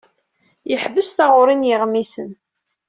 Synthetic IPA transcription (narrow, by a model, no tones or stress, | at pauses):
jəħvəsθaʁʊɾˤinjəʁmisən